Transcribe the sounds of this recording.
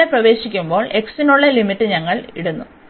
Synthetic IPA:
eprɐʋe̞ːɕikʲːumbo̞ːɭʔe̞ksinuɭːɐlimitːɨɲɐŋːɐɭḭɽunːu

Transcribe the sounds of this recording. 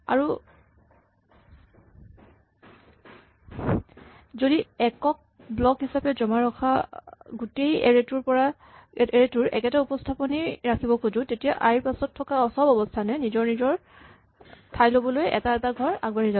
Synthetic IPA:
a̰ɹu | zodiɛkɔk̚blɔkɦisapɛzɔmaɹɔkʰaɡutejɛɹetuɹpɔɹa | eɹetuɹɛ̰kɛtaupɔstʰapɔniɹakʰibɔkuzũtetijaʔaɹiɹpasɔtʰːɔkaɔsɔbɔbɔstʰanɛnizɔɹnizɔɹ | tʰajlobɔlojʔɛ̰taɛtaɡʱɔɹaɡ̚baɹiza

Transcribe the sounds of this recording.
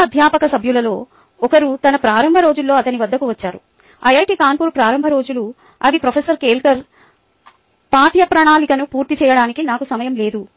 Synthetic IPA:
ɐd̪ʱjaːpɐkɐsɐbʱjulɐlo̞ː | ɔkɐɾut̪ɐnɐpɾaːɾɐmbʱɐɾo̞ːd͡ʒulːo̞ːɐt̪ɐniʋɐd̪ːɐkuʋɐt͡ʃːaːɾṵ | ɐjaːʈikaːnpuːɾpɾaːɾɐmbʱɐɾo̞ːd͡ʒulu | ɐʋipɾɐfʰeːsɐɾkeːlkɐɾ | paːʈ̪jɐpɾɐɳaːlikɐnupuːɾt̪it͡ʃɛːjɐɽaːnikinaːkusɐmɐjɐmle̞ːd̪u

